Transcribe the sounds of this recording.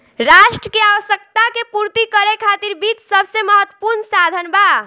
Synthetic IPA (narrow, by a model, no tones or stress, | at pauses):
ɾaʃʈɾəkeaʋəsjək̚t̪akepuɾt̪ikəɾekʰat̪iɾbit͡ʃsəbʱseməɦət̪wəpuɾnsad̪ʱənba